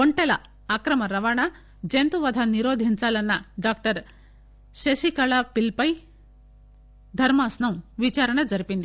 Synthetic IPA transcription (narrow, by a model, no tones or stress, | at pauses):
koɳʈɛlɐ | aːkɾɐmɐɾɐʋaːɳɐ | d͡ʒent̪uʋɐd̪ʱɐniɾoːd̪ʱiɲt͡ʃaːlɐnːɐɖaːk̚ʈɐɾ | ʃɐʃikɐɭaːpilpɐj | d̪ʱɐɾmaːsnɐmʋit͡ʃaːɾɐɳɐd͡ʒɐɾipind̪i